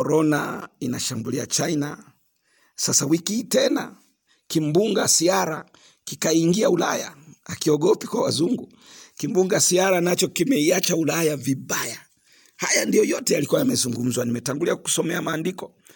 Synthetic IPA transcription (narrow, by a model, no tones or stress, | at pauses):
kɔɾɔna̰inaʃambulia̰t͡ʃaina | sasawikitɛna̰ | kimbuŋɡasiaɾa | kikaiŋɡiaula̰ja̰akiɔɠɔpikwawazuŋɡu | kimbuŋɡasiaɾanat͡ʃɔkimɛiat͡ʃaulajaviɓaja | hajandijɔjɔtɛjalikuwajamɛzuŋɡum̩zwanimɛtaŋɡuliaku̥sɔmɛamaːndikɔ